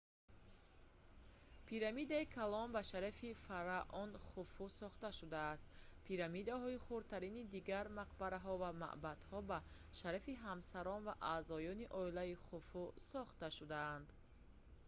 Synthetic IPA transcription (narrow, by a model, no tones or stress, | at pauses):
pʰiɾamid̪aikʰalɔnbaʃaɾafifaɾaʔɔnχufusɔχt̪aʃud̪aːst̪pʰiɾamid̪ahɔiχuɾt̪ʰaɾinid̪iɡaɾmaqbaɾaɦɔvama̰ʔbad̪̥hɔba | ʃaɾafiɦamsaɾɔnvaʔaːzɔjɔniʔɔilaiχufusɔχt̪aʃud̪aand̪